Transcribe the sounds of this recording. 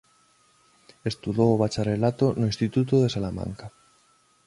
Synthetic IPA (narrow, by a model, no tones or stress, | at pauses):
est̪uðoːβ̞at͡ʃarelat̪onoĩnst̪it̪ut̪oðesalamã̰ŋka